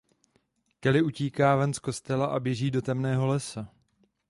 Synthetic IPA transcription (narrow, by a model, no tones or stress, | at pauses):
kɛlɪʔuciːkaːvɛnsko̞st̪ɛlaʔabjɛʒiːdo̞t̪ɛmnɛːɦo̞lɛsa